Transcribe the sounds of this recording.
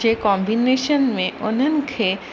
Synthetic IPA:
ekɔmbineʃənmẽʔonənkʰe

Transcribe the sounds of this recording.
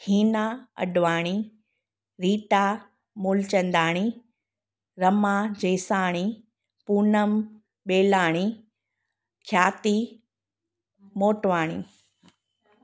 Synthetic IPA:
hiːnaːɐ̰ɗʋaːɽ̃i | ɾiːʈaː | muːlt͡ɕɐ̃nd̪aːɽ̃i | ɾɐmad͡ʑeːsaːɽ̃i | puːnəm | ɓeːlaːɽ̃i | kʰjaːt̪i | moːʈʋaːɽ̃ḭː

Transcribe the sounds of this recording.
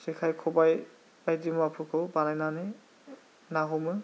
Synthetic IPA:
sekʰajkʰɔbaj | ajdimɔapʰukʰɯwbanajnane | naɦɔmɯ

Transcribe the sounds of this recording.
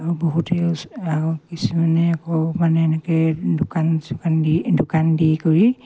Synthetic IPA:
aɹuboɦutɛaukisumanɛakɔmanɛːnɛkɛdokanskandidokandikoɹi

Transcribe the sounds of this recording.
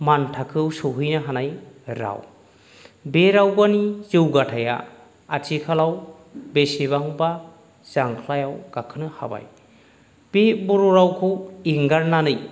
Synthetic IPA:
mantʰakʰɯwsuɦɯjnaɦanajɾa̰w | beɾawbanizɯwɡatʰaja̰ | atʰikʰalaw | beseβaŋba | zaŋkʰlajawɡ̥akʰɯnɯha̰ba̰j | b̥ebuɾuɾawkʰɯwiŋɡaɾnanɯj

